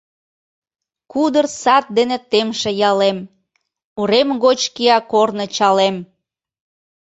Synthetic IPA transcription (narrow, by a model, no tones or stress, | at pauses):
kud̪ərsɑt̪̚d̪enet̪emʃĕjɑlem | uɾemɣot͡ɕkiɑkornɤ̆t͡ɕɑlem